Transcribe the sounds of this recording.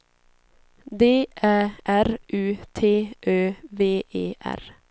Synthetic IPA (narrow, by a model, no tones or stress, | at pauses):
d̪eːʔæːʔæɾʔʉːt̪ʰeːʔøːʋeːʔeːʔæ̰ɾ